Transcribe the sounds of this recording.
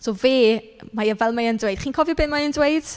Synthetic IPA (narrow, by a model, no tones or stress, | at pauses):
soːveː | majəvɛlˠmajəndwejd̥χiːnkʰɔvjɔbeːmajəndweɨd̥